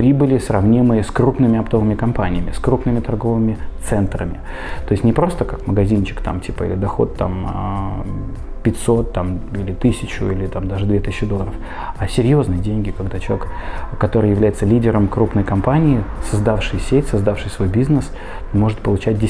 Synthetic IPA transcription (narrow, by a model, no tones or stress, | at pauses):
pɾʲibɨlʲɪsrɐvnʲimɨjəskɾupnɨmʲɪɐpt̪o̞vɨmʲɪkɐmpanʲɪjəmʲɪskɾupnɨmʲɪt̪ɐrɡo̞vɨmʲɪt̪sɛnt̪ɾə̰mʲɪ̰ | t̪o̞ɪsʲtʲnʲɪpɾo̞st̪əkakməɡɐzʲint͡ɕɪ̥kt̪a̰mtʲipəḭlʲɪd̪ɐxo̞̰t̪ːa̰m | pʲɪtʲso̞t̪ːamilʲɪt̪ɨsʲɪt͡ɕʊ̰ilʲɪt̪amd̪aʐɨd̪vʲet̪ɨsʲɪt͡ɕːɪd̪o̞lˠːəɾəf | asʲɪɾʲjo̞znɨjədʲenʲɡʲɪkɐɡd̪at͡ɕɪlˠʲekkːɐt̪o̞ɾɨjɪvlʲæjɪt̪səlʲidʲɪɾəmkɾupnəjkɐmpanʲɪːsəzd̪afʂɨjsʲetʲsɐzd̪afʂɨjsvo̞jbʲiznəs | mo̞ʐɨt̪̚pəlˠʊt͡ɕæt̚ʲdʲɪ